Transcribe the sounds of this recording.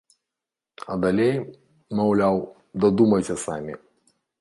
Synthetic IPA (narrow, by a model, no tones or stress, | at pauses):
ɐd̪alʲej | mawlʲaw | d̪ɐd̪umɐjsʲɐsamʲḭ